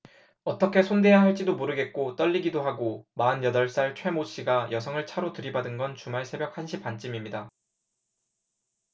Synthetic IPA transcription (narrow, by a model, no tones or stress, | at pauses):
ʌt͈ʌkʰe̞sʰonde̞jaɦaɭt͡ɕ͈idomoɾɯɡe̞t̚k͈ot͈ʌʎːiɡidoɦaɡomaɯnjʌdʌɭs͈aɭt͡ɕʰwe̞moɕ͈iɡajʌsʰʌŋɯɭt͡ɕʰaɾotɯɾibadɯnɡʌnt͡ɕumaɭsʰe̞bjʌk̚hanɕʰip͈ant͡ɕ͈imimɲida